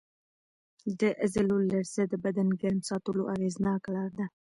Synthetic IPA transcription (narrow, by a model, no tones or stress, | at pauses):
d̪əʔɪzɪlolaɾsad̪əbad̪anɡaɾmsɑt̪əloʔaɣeznɑklɑɾd̪a